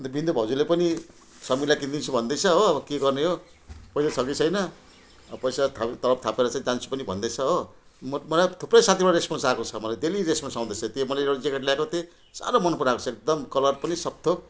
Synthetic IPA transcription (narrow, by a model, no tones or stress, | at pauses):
ʌnt̪ʌbind̪ubʱʌd͡zulepʌni | sʌmilakĩnd̪int͡sʰubʱʌnd̪ʌjt͡sʰʌɦoːbʌkeɡʌrneɦo | pʌjsasʰʌket͡sʰʌjnʌ | pʌjsat̪ʰat̪ʌlʌp̚t̪ʰapeɾʌt͡saĩd͡zant͡sʰu̥pʌnibʱʌnd̪ʌjt͡sʰʌɦo | mʌmʌlajt̪ʰuprʌjsãt̪ʰibaɽɾesponsakot͡sʰʌmʌlajd̪eliɾesponsãw̃d̪ʌjt͡sʰʌt̪emʌlajeɽad͡zekʌʈljakot̪e | sa̰ɾomʌnpuɾakot͡sʰʌek̚d̪ʌmkʌlʌrpʌnisʌb̚t̪ʰob̚